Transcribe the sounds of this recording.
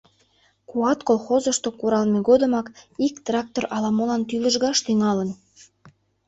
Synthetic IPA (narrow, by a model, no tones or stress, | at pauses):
kuɑt̪kolxozə̆ʃt̪okuɾɑlmeɣod̪ə̆mɑkikt̪rɑk̚t̪orʔɑlɑmolɑnt̪yləʒɣɑʃt̪yŋɑlən